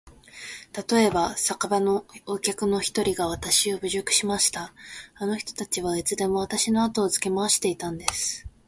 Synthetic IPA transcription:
t̪at̪o̞e̞basakabano̞okʲakɯ̟no̞çi̥t̪o̞ɾʲiɡaβ̞at̪aɕio̞bɯ̟ʑokɯ̟̥ɕimaɕi̥t̪aano̞çʲi̥t̪o̞̥t̪at͡ɕiβ̞ait͡sɨd̪e̞mo̞βat̪aɕino̞at̪o̞ːzɨ̥ke̞maoɕi̥t̪e̞it̪ãnd̪e̞sɨ̥

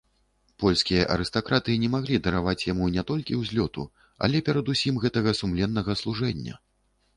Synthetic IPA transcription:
pɔlʲsʲkʲijɐʔɐ̰ɾɨst̪akɾat̪ɨnʲɛmaɣlʲid̪ɐɾavat͡sʲjamunʲɛt̪ɔlʲkʲiwzʲlʲɔt̪ṵ | ɐ̰lʲɛpʲɛɾɐd̪usʲimɣɛt̪ɐɣɐsumlʲɛnːɐɣɐslˠuʐɛnʲːɐ̰

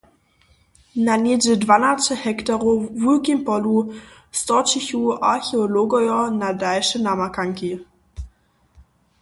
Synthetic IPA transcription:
nanedədvanatəhɛktaʁovulkimpɔlu | stɔt͡ʃiçuʔaçeoloɡɔjɔnadaɪʃənamakaŋki

